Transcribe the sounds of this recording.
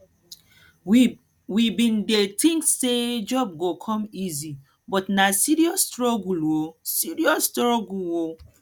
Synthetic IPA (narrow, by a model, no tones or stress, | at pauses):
wibĩndetʰĩŋksed͡ʒɔb̚ɡokʰɔ̃mizi | bɔtnasiɾiɔstɾɔɡulwosiɾiɔstɾɔɡulwo